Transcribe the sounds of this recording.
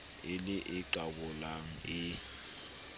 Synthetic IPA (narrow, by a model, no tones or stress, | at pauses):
ɪlɪʔɪǃabʊlaŋ̩ɪ